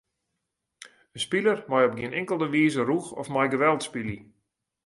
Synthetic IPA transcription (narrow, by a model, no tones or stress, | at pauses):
ənspilərmɔjɔp̚ɡiənɪŋkəlˠdəʋiːzəruxɔ̰fmajɡəʋɛlˠtspili